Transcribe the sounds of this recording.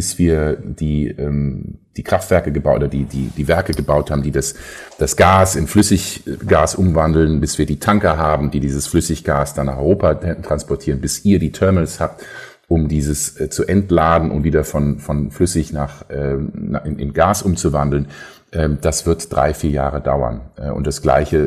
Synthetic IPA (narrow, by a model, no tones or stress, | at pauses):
b̥ɪsv̥iːɐd̥iːʔɛːmd̥iːkʁ̥aftv̥ɛɐkəɡəbaʔoːɐdiːdḭːd̥iːvɛɐkəɡəbaʊthaːbm̩diːdasd̥asɡ̥aːsɪnflʏsɪçɡ̥aːsʔʊmvandl̩nbɪsv̥iːɐdiːtʰaŋkɐɦaːbm̩diːdiːzəsflʏsɪçɡ̥aːsd̥anːaːχʔɔʏʁoːpaɛtʁ̥anspɔɐtʰiːʁənbɪsʔiːɐdiːtʰɛɐmənəshaːp̚t | ʔʊmdiːzəst͡suʔɛntlaːdn̩ʔʊ̰ntviːdɐfɔnfɔnflʏsɪçnaːχʔɛːnʔɪʔɪ̰nɡaːsʔʊmt͡suvandl̩n | ʔɛːd̥asv̥ɪɐtd̥ʁa̰ɪfiːɐja̰ːʁəda̰ʊɐ̰nʔɛʔʊ̰ntd̥asɡ̥la̰ɪçə